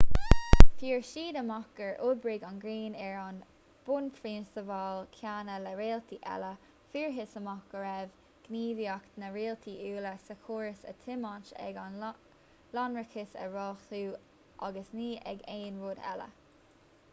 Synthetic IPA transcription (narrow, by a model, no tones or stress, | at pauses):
fiːɹʃiːd̪əmɔkəɹʔʊd̚bɹɪɡanɡɹiːnɛɹɑn | b̥ʊnpʰɾiːnstəvɑːlkʰjaːnəlɛɹeːlt̪ʰiʔɛ̰lə | fiːɹɦɪsəmɑkəɹɛv | ɡ̥niːviaknəɹeːlt̪ʰiʔuːləsəkʰoːɹəsə̰t̪ʰɪmɑt͡ʃɛ̰ɡan | lɑnɹɪkʰɪsə̰ɹɔːxtuː | ʔa̰ɡəsniːʔɛ̰ɡeːnɹoːd̪ɛ̰lə̰